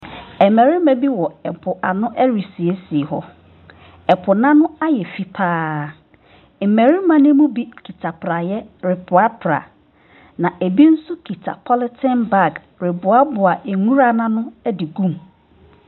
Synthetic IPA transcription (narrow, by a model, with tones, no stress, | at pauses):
ɛ˨mɛ˨ɾɪ˦mɛ̃˨bi˦wɔ˨ɛ˨pʰʊ˨ʔa̰˨nʊ̃˦ʔɛ˦ɾi˨si˨e˦si˨e˨hɔ˦ | ɛ˨pʰʊ˨nã˦nʊ̃˦a˦jɛ˨fi˦pʰaː˦ | m̩˨mɛ˨ɾi˦mã˦nɪ̃˦mũ˦bi˦kʰi˨tʰa˨pʰɾa˨jɛ˦ɾɪ˨pʰʊ˨a˦pʰɾa̰˨ | nã˨ʔe˨bi˦n̩˦sʊ˦kʰi˨tʰa̰˨pʰɔ˦lɪ˦tʰɛ̃˦nba˦˨ɡ | ɾɪ˨bʊ˨a˦bʊ˨a˨ʔe˨ŋũ˦ɾa˦nã˦nʊ̃˦ɛ˦dɪ˨ɡũ˦˨m